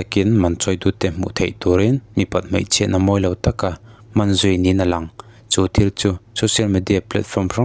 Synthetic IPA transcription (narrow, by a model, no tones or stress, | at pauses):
ɐkɪnmɐnt͡sɔjd̪ut̪ɛm̥ṵʔt̪ʰḛjt̪uɾɪnmipɐt̪̚m̥ḛjt͡sʰɛ̰ʔnɐmɔjlɐwt̪ɐkamɐnzʊjninɐlɐŋ | t͡sut̪ʰirt͡susɔsiɐlmid̪iaplɐ̰t̪̚fɔmra